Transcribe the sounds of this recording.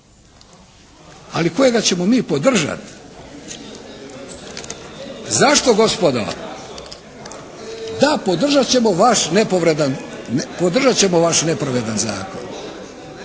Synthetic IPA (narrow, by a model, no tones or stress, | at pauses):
aliko̞je̞ɡat͡ɕe̞mo̞miːpo̞d̪r̩ʒa̰t̪ | zaʃt̪o̞ɡo̞spod̪a̰ | d̪apo̞d̪r̩ʒat͡ɕe̞mo̞ʋaʃne̞poʋɾed̪anpod̪r̩ʒat͡ɕe̞mo̞ʋaʃne̞pɾaʋe̞d̪anza̰ːko̞̰n